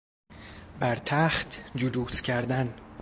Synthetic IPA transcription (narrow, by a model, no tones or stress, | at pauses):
bæɾt̪ʰæːχt̪ʰd͡ʒud̪uːscʲʰæɾd̪æn